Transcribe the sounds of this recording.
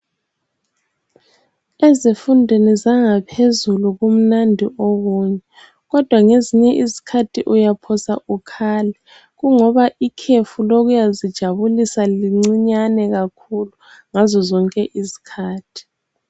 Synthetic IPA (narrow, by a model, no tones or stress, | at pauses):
ezifundʱenizaŋapʰezuluɣum̩nandʱiʔoɣuːɲɛ | ɣɔd̥ʱwaŋeziɲɛʔizikʰatʰiʔujapʰɔsa̰ʔukʰaːlɛ | ɣuŋɔβaʔikʰefuloɣujazid̥ʒ̥ʱaβulisaliŋ͡ǀiɲanɛɣakʰulu | ŋazɔzɔŋkʼɛʔizi̥kʰaːtʰi̥